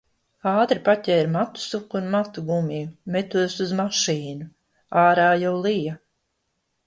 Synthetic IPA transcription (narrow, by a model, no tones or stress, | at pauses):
aːt̪ɾipatʲɛːɾmat̪u̥sukunmat̪uɡumijumɛt̪uɔsuzmaʃiːnu | aːɾaːjawlˠija